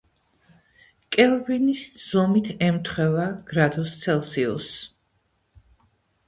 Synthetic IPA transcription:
kʼɛlˠvinisz̥ɔmit̪ʰɛmt̪ʰχwɛvaɡ̥ɾad̪ust̪sʰɛlˠsiɔ̰s

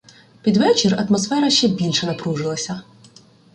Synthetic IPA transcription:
pʲid̪ʋɛt͡ʃɪrɐt̪mɔsfɛɾɐʃt͡ʃɛbʲilʲʃɛnɐpɾuʒɪlˠɐsʲɐ

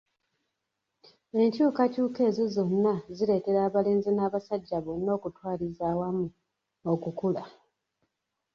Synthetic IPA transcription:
e̞ɲcuːkacuːke̞ːzezo̞nːaziɾe̞ːte̞ɾaːβale̞ːnzenaːβasaɟːaβonːo̞ːkutwaːlizaːwamu | okukula

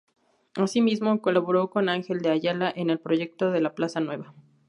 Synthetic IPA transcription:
asimizmo̞ko̞laβo̞ɾo̞ko̞naŋxe̞ld̪eaʝalaʔene̞lpɾo̞ʝe̞k̚t̪o̞ðe̞laplasanwe̞βa

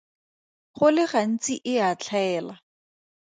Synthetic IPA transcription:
χʊlɪχan̩t͡sʼiʔɪat͡ɬʰaɛːla

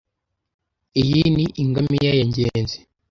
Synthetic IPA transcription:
ijiniʔiŋɡamijajaɲɟenzi̥

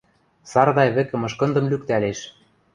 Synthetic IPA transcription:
sɑrd̪ɑjβɘ̆kɘ̆mɤ̆ʃkɤ̆nd̪ɤ̆mlykt̪æleʃ

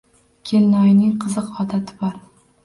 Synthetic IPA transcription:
kʲʰe̞lnɒjnɪŋqʰɨzɨqɒd̪at̪ʰɪ̥bɒɾ

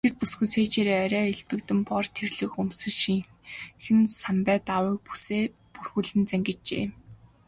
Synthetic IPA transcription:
t̪ʰerpusɡujt͡sʰeːt͡ɕeːɾeːœɾʲœːeɮpɘ̆k̚t̪ɘ̆mpɔrt̪ʰerɮɘ̆xɵmsɵ̆ɮʃiŋ | xɘ̆nsampæːt̪awĭːk̚pu̥seː | purxŭɮɘ̆nt͡sæŋɡɘ̆t͡ɕḛː

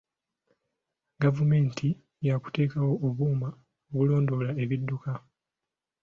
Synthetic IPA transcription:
ɡavume̞ːntʰi | jaku̥te̞ːkawo̞ʔːβuːma | oβulo̞ːndo̞lae̞βidːuka

